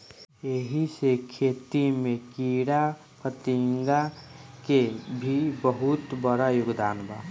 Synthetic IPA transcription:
eɦisekʰet̪imekiɽa | pət̪iŋɡakebʱibəɦut̪bəɽajʊɡd̪aːnba̰

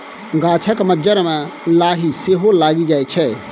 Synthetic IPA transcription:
ɡaːt͡ʃʰakməd͡ʒəɾmɛ̃laːɦiseːɦolaːɡid͡ʒaːet͡ʃʰɛ

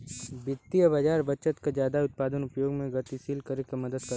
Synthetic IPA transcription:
bɪt̪ːijəbad͡ʒaːɾbɐt͡ʃət̪kad͡ʒjaːd̪aʊt̪̚paːd̪ənʊpjoːɡmẽɡɐt̪isiːlkɐɾekemɐd̪əd̪kɐɾ

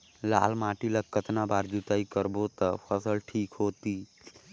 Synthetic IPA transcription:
la̰ːlmaːʈiləkkːət̪nabaːɾd͡ʒut̪aːikəɾbot̪əpʰəsəlʈʰiːkɦoːt̪iː

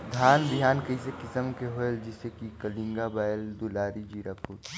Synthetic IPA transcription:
d̪ʱaːnbɪɦaːnkɐisekɪsəmkeɦoeld͡ʒɪsekikɐlĩŋɡabaːjld̪ulaːɾid͡ʒiːɾapuːt

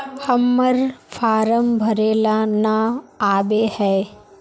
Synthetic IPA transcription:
hɐmːəɾfʰaːɾəmbʱɐɾeːlanaaːbehɛː

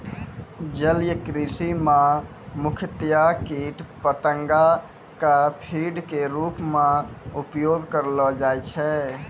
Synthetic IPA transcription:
d͡ʒəljəkɾisimã | mukʰət̪jakiʈpət̪əŋɡa | kapʰiɖkeɾupmãupjoɡkəɾlɔd͡ʒajt͡ʃʰɛ

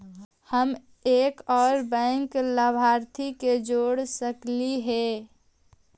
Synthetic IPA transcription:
həm | eːkɔːɾbɛ̃ŋkləbʱaɾt̪ʰiked͡ʒoːɽsəkliɦɛ

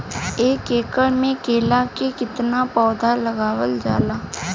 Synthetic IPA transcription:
eːkeːkəɽmẽkeːlakekɪt̪napɔːd̪ʱalɐɡaːwəld͡ʒa̰ːlaː

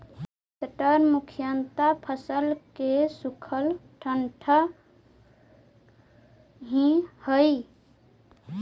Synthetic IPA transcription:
səʈəɾmukʰijənt̪apʰəsəlkesukʰəlʈʰəɳʈʰə | ɦĩhəj

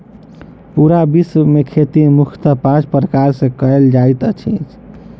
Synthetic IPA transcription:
puɾabismekʰet̪imukʰt̪əpãt͡ʃpɾəkaɾsẽkəeld͡ʒajt̪ət͡ʃʰḭ̃t͡ʃʰ

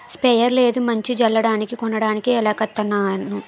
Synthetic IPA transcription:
spɛjɐɾle̞ːd̪umɐɲt͡ʃid͡ʒɐlːɐɽaːnikikɔɳːɐɽaːnikiɛlaːkɐt̪ːɐnːaːnu

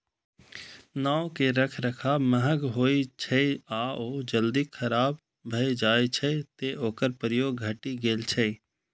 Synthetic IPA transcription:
naːokeɾəkʰɾəkʰaməɦəɡɦoːit͡ʃʰəaoːd͡ʒəld̪ikʰəɾaːb | bʱəed͡ʒaːet͡ʃʰɛt̪eoːkəɾpəɾəjoːɡɡʱəʈiɡeːlt͡ʃʰəɪ

